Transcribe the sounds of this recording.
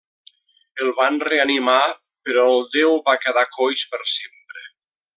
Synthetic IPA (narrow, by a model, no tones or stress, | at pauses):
əlˠβanreanima | peɾɔelˠd̪ewβakəðakojspəɾsempɾe